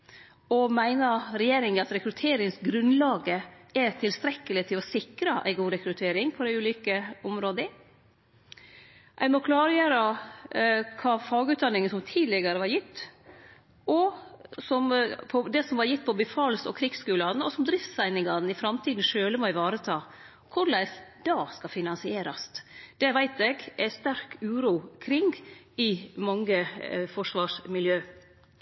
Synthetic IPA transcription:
ɔmæɪnəɾɛjeːɾɪŋɑt̪ɾɛkɾʉt̪ʰeːɾɪŋsɡɾʉnlɑːɡəæt̪ʰɪlst̪ɾɛkːəlɪt̪ʰɪlɔsɪkɾɑʔæ̰ɪɡuːɾɛkɾʉt̪ʰeːɾɪŋpʰɔd̪æɪʉːliːkəɔmɾoːd̪ə | ʔæɪmɔkʰlɑːɾəjøːɾɑ | kʰɑːfɑːɡʉːt̪̚d̪ɑnːɪŋənsɔmt̪ʰiːd̪lɪɡɑɾəʋɑɾjɪt̪ː | ʔɔsɔmpʰɔd̪ɛsɔmʋɑɾjɪt̪̚ːpʰɔbəfɑːlsɔ̰kʰɾɪkskʉːlɑnəɔsɔmd̪ɾɪft̪sæɪnɪŋɑɾn̩ɪfɾɑmt̪ʰiːd̪n̩ʂøːləmɔæɪʋɑːɾət̪ʰɑː | kʰʊɾlæɪsd̪̥ɑːskɑfɪnɑnsɪeːɾɑst̪d̪̥ɛʋæɪt̪ɛɡʔæst̪æɾkʉːɾuːkʰɾɪŋɡɪmɑŋːəfɔʂʋɑːʂmɪljøː

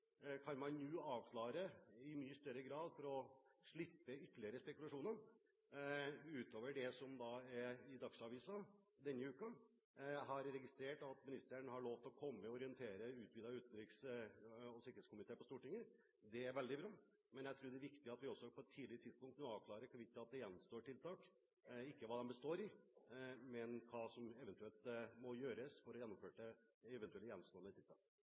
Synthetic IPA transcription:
kʰɑnmɑnnuːɑːʋkʰlɑːɾəɪmyːəst̪œɾːəɡɾɑːd̪fɔɾɔʂɭɪpːəʏt̪ːəɭɪəɾəspɛkʉlɑʂuːnə | ʉːt̪oːʋəɖɛsɔmd̪ɑːæɾɪd̪ɑksɑʋiːsɑd̪ɛnːəʉːkɑ | ɦɑɾɾɛɡɪst̪ɾeːʈɑt̪mɪnɪst̪ənəhɑɭoːʋt̪ɔkʰɔmːəəɔɾɪənt̪ʰeːɾəʉːt̪̚bɪd̪ɑʉːt̪n̩ɾɪks | ɔsɪkəɾeːtskʊmɪt̪ʰeːpɔst̪uːʈɪŋːəɾ | d̪ɛæɾʋɛld̪ɪbɾɑː | mɛnjæɪt̪ʰɾuːɖɛæɾʋɪkt̪ɪəɑt̪ʋɪɔsːɔpʰɔɛt̪ʰːiːdlɪɾət̪ʰɪd̪spʊŋkt̪noːɑːʋkʰlɑːɾəɾkʰʋɪt̪ːɑt̪̚d̪ɛjɛnːmst̪oːʈɪlt̪ʰɑːk | ɪkːəʋɑːd̪ɛmbəst̪oːɾɪ | mɛnkʰɑːsɔmɛʋɛnt̪ʉɛlt̪mɔjøːɾəsfɔɾɔjɛnːɔmføːʈəɛʋɛnt̪ʉɛljɛnːmst̪oːnət̪ʰɪlt̪ʰɑ̰ːk

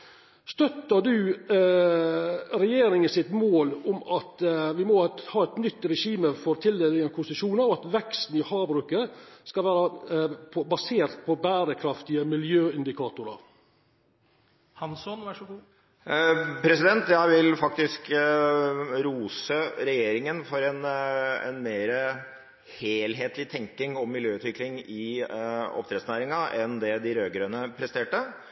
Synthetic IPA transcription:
st̪œt̪ːəd̪ʉː | ɾɛjeːɾɪŋənsɪt̪moːlʊmɑt̪ʋɪmɔhɑːɛt̪nʏt̪ːɾɛʂiːməfɔɾt̪ʰɪld̪ɛlɪɡənəkʰʊsɪʂuːnəɾɔɑt̪ʋɛkst̪n̩ɪhɑːbɾʉːkəskɑʋæːɾəpʰɔbɑseːɾt̪̚pʰɔbæːɾəkʰɾɑft̪ɪəmɪljøːɪnd̪ɪkʰɑːt̪ʊɾə̰ɾ | hɑnsɔnʋæʂɔ | pʰɾɛsɪd̪ɛnt̪jæɪʋɪlfɑk̚t̪ɪsk | ɾuːsəɾɛjeːɾɪŋənfɔɾɛnɛ̰nmeːɾə | heːlɦeːt̪ʰlɪt̪ʰɛŋkɪŋɔmːɪljøːʉːt̪ʋɪklɪŋɪ | ɔ̰p̚t̪ɾɛːd̪snæːɾɪŋɑʔɛnd̪ɛd̪ɪɾøːɡɾøːnəpʰɾɛst̪eːʈə

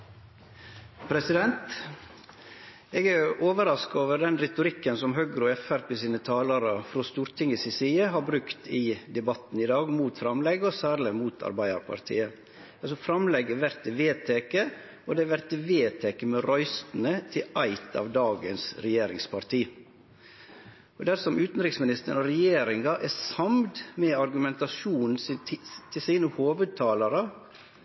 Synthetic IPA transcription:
pʰɾɛsɪd̪ɛnt̪ | eːɡæɾoːʋəɾɑskoːʋəɾd̪ɛnɾɛt̪ʊɾɪkːənsɔmɦœɡɾʊɛfæɾpeːsiːnət̪ʰɑːlɑɾəfɾoːst̪uːɾt̪ʰɪŋəsɪsiːəɦɑɾbɾʉkt̪ʰiːd̪ɛbɑt̪n̩ɪd̪ɑːɡmuːt̪fɾɑmlɛɡəɔsæːɾlɪmuːt̪ʰɑ̰ɾbæɪɑ̰ɾpʰɑ̰ɾt̪ʰḭːə | ɑlsɔfɾɑmlɛɡəʋæɾt̪əʋeːt̪ʰeːkə | ɔd̪ɛʋæɾt̪ːɪʋeːt̪ʰeːkəmɛɾɔʏst̪n̩ət̪ʰɪʔæɪt̪ʰɑ̰ːʋd̪ɑːɡənsɾɛjeːɾɪ̰ŋspʰɑɾt̪ʰiː | ɔd̪æɾsɔmʉːt̪n̩ɾɪksmɪnɪst̪əɳɔɾɛjeːɾɪŋɑʔæɾsɑmd̪mɛɑɾɡʉmɛnt̪ɑʂuːnn̩st̪ʰɪlsiːnəhoːʋəd̪̚t̪ʰɑːlɑɾə

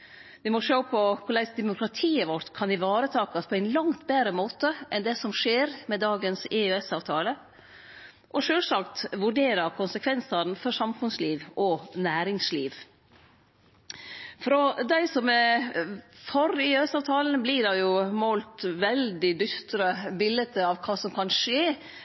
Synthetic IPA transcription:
ʋɪmɔʂoːpʰɔkʰʊɭæɪsd̪ɛmʊkɾɑt̪ʰiːəʋɔɾʈ̪kʰɑnɪʋɑːɾət̪ʰɑːkɑspʰɔæɪnlɑŋt̪beːɾəmoːt̪əʔɛnd̪ɛsɔmʂeːɾmɛd̪ɑːɡənsɪʉɛsɑːʋt̪ʰɑːlə | ʔɔʂøːlsɑkt̪ʋʉɖeːɾɑkʰʊnsəkʰʋɛnsɑɾn̩fɔɾʂɑmfʉnsliːʋʔɔnæːɾɪŋsliːʋ | fɾɔd̪æɪsɔmɛ | fɔɾɪʉɛsɑːʋt̪ʰɑːln̩bliːɖɑjʊmoːlt̪ʋɛld̪ɪd̪ʏst̪ɾəbɪlət̪əɑʋkʰɑːsɔmkʰɑnʂeː

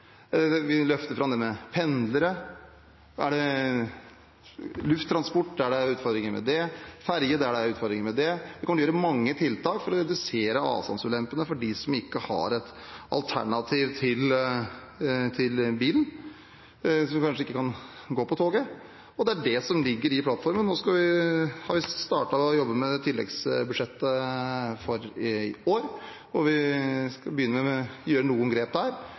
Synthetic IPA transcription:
ʋɪlœft̪əɾfɾɑmd̪ɛmɛpʰɛnd̪ləɾə | æ̰ɖɛ | lʉft̪ʰːɾɑnspɔʈːd̪æɖɛʉːt̪fɔɾd̪ɾɪŋəɾmɛ̰d̪ɛfæɾjəd̪ɛæɖɛæɾʉːt̪fɔɾd̪ɾɪŋəmɛd̪ɛd̪ɪkɔməəjøːɾəmɑŋːət̪ʰɪlt̪ʰɑːkfɔɾɔɾɛd̪ʉseːɾəɑ̰ːʋsɑ̰nsʉlɛmpːənəfɔɖisɔmɪkːəhɑ̰ɾɛt̪ | ʔɑ̰lt̪ʰæ̰ɳɑt̪ʰiːʋt̪ʰɪl | t̪ʰɪlbiːlən̩ | sɔmkʰɑnʂəɪkːəkɑn | ɡoːpɔt̪ʰoːɡə | ɔd̪ɛæɖɛsɔmlɪɡːəɾɪpʰlɑt̪fɔɾmənnoːskɑʋɪhɑɾʋɪst̪ɑ̰ːʈɑɔjɔbːəmɛt̪ʰɪlːɛ̰ɡsbʉʂɛt̪ːəfɔɾoːɾ | ɔʋɪskɑbəjʏnːəmɛjøːɾənuːənɡɾeːp̚d̪æɾ

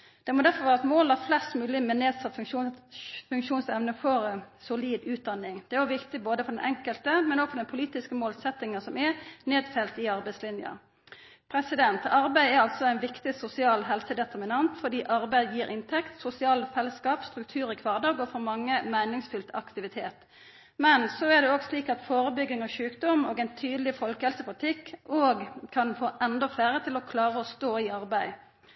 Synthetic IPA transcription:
d̪̥ɛmɔd̪æʁfɔʋæːʁəɛt̪moːlæʁflɛst̪mʉːlɪmɛneːd̪sɑt̪ː | fʉŋkʃuːnsɛʋnəfɔɾsʊliːd̪ʉːt̪̚d̪ɑnːɪŋd̪̥ɛʊʋɪkt̪ɪboːd̪əfɔd̪ɛnʔɛ̰ŋkəlt̪əmɛnɔɡ̥fɔd̪ɛnpʰʊliːt̪ɪskəmoːlsɛt̪ːɪŋəsɔmɛneːd̪fɛlt̪ɪɑɾbæɪslɪnjə̰ | pʰɾɛsɪd̪ɛnt̪ɑɾbæɪɛɾɑlt̪sɔæɪnʋɪkt̪ɪsʊsɪɑːlɦɛlsəd̪ɛt̪ʰəʁmɪnɑnt̪fɔd̪iːʔɑʁbæɪjiːɾʔɪnt̪ʰɛkt̪sʊsɪɑːlfɛlːəskɑːpst̪ʁʉk̚t̪ʰʉːʁɪkʰʋɑːʁd̪ɑːɡɔːfɔmɑŋːəmæɪnɪŋsfʉlt̪ʰɑkt̪ɪʋɪt̪ʰeːt̪ | mɛnsɔæd̪ɛoːɡsliːkɑt̪foːʁəbʏɡɪŋɔʃʉːkd̪ɔmoːɡɛɪnt̪ʰyːd̪lɪfɔlkəhɛlsəpʰʊlɪt̪ʰɪkːoːɡkʰɑnfoːʔɛnd̪ɔfleːɾət̪ʰɪlɔkʰlɑːʁəɔst̪oːɪɑɾbæɪ

